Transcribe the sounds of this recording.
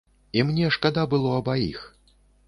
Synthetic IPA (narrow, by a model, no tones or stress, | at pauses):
imnʲɛʂkad̪abɨlˠɔɐbajḭx